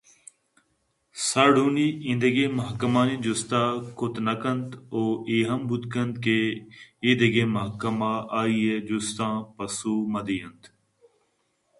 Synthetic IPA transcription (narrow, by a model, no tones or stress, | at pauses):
saːɖũːniːɪ̃nd̪əɡeːməɦkəmãːnĩːd͡ʒʊst̪ãːkʊt̪nəkənt̪oːeːɦəmbʊd̪kənt̪keɪ̃d̪əɡeːməɦkəmaːʔaːiːeːd͡ʒʊst̪ãːpəsuːməd̪iːənt̪